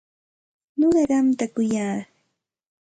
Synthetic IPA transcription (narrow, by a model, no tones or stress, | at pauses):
noɢɑɢɑmt̪akʊjaː